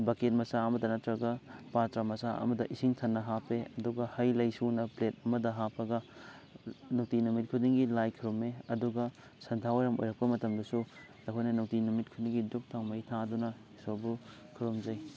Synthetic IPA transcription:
baket̚mɐsaɐmɐdɐnɐtɾɐɡɐpaɾtɾamɐsaʔɐ̰mɐdɐʔisiŋtʰɐnːɐɦapʰeɐduɡɐhɐjlɐjsunɐplet̚ɐmɐdɐɦapʰɐɡɐ | nuk̚tinumit̚kʰudiŋɡilajkʰiɾumeɐduɡɐ | sɐntʰaweɾɐmo̰jɾɐk̚pɐmɐtɐmdɐsu | lɐkʰojnɐnuk̚tinumit̚kʰudiŋɡiduk̚tʰawmɐjtʰadunɐhisobukʰiɾumzɐj

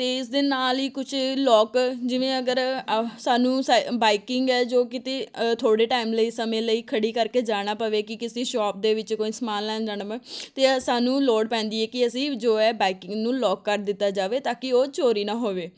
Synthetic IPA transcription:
t̪eːɪs̬d̪eːnaːliːkʊt͡ʃʰlɔːkd͡ʒɪʋẽːəɡəɾsaːnũːsabaːɪkɪŋɡɛːd͡ʒoːkɪt̪eːt̪ʰoːɽeːʈaːimləiːsəmẽːləiːkʰəɽiːkəɾkeːd͡ʒaːɽ̃aːpəʋeːkɪkɪseːʃɔːp̚d̪eːʋɪt͡ʃkoːiːsəmaːllɛ̃ːd͡ʒaːɳ̃əʋɛ̃ːt̪eːsaːnũːloːɽpɛ̃ːnd̪iːɛːkɪəsĩːd͡ʒoːɛːbaːɪkɪŋɡnũːlɔːkːəɾd̪ɪt̪ːaːd͡ʒaːʋeːt̪aːkɪoːt͡ʃoːɾiːnãːɦoːʋeː

